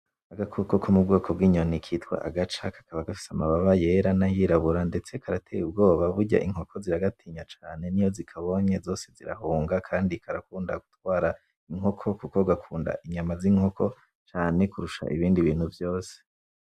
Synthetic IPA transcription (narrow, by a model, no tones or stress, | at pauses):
aɡakʰokokʰomub̚ɡo̞ːkʰo̞bɡiːɲo̞nikʰiːtkwa̰ʔaɡat͡ʃakḁkaβaɡafi̥samaβaβaje̞ɾanajiːɾaβuɾande̞t͡se̞kʰaɾatʰejub̚ɡo̞ːβaβuɟa̰ʔiŋho̞kʰo̞ziɾaɡatʰiːɲat͡ʃaːne̞nijo̞zikʰaβo̞ɲezo̞ːse̞ziɾa̰huːŋɡakʰaːndikʰaɾakuːnda̰ɡutwaːɾa | iŋo̞kʰo̞kuko̞uɡakʰuːnda̰ʔiɲamaziŋ̥ho̞kʰo̞ | t͡ʃaːne̞kuɾuʃa̰ʔiβiːndiβiːn̥huvjo̞ːse̥